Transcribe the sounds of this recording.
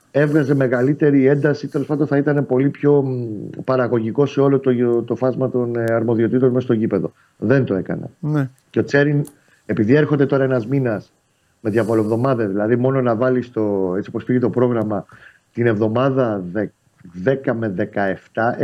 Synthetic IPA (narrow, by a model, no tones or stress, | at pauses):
e̞vɣɐze̞me̞ɣɐlit̪e̞ɾie̞nd̪ɐsit̪elospɐnd̪oθɐit̪ɐne̞po̞lipço̞pɐɾɐɣo̞ʝiko̞se̞o̞lot̪ot̪o̞fɐzmɐt̪o̞nɐɾmo̞ðio̞t̪it̪o̞nmest̪o̞ʝipe̞ðo̞̰ | ðe̞nt̪oe̞kɐ̰nḛ | ceo̞t͡se̞ɾin | e̞piðie̞ɾxo̞nd̪e̞t̪o̞ɾɐenɐzminɐs | meðʝɐvoloevðo̞mɐðeðilɐðimo̞no̞nɐvɐlist̪o̞t͡sioposfiʝet̪o̞pɾo̞ɣɾɐmɐ | t̪ine̞vðo̞mɐðɐe | ðekɐme̞ðe̞kɐe̞ft̪ɐ